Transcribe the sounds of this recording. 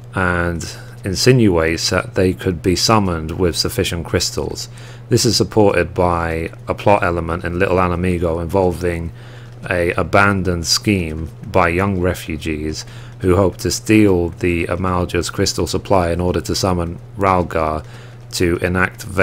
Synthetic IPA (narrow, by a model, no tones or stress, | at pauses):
ə̃n | ɨ̃nsɪ̃njʉeɪtsðə̰ʔ̪̚ðeɪkʰɨd̚bisʌmə̃ndwɪð̥səfɪʃɨ̃nkʰɹ̥ɪstʰl̩ˠz̥ | ðɪsɨz̥səpʰɔɹɾɪd̚baɪ | əpʰl̥ɒtɛlˠəmə̃ntɨ̃nlɪʔl̩ˠanəmiɡoʊɪ̃ɱvɑlˠvɪ̃ŋ | ɨəbæ̃ndə̃nd̥skĩmbaɪjʌ̃ŋɹɛfjʉd͡ʒiz̥ | hʉɦoʊp̚tʰɨstilˠðiə̰malˠd͡ʒəz̥kʰɹ̥ɪstl̩ˠsəpʰl̥aɪɨ̃nɔɹɾə˞tʰəsʌmə̃nɹalˠɡə | tʰɨʔɪ̃næk̚tv